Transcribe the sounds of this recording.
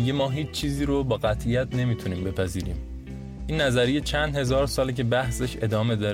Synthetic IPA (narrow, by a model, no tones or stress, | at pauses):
iɡe̞mɒːɦiːt͡ʃt͡ʃʰiːziːɾobɒːɣæt̪ʰʔijæt̪ʰne̞miːt̪ʰuniːmbe̞pʰæziːɾiːm | ʔiːnːæzæɾijet͡ʃʰænd̪he̞zɒːɾsɒːlicʰe̞bæhseʃe̞d̪ɒːme̞d̪ɒːɾ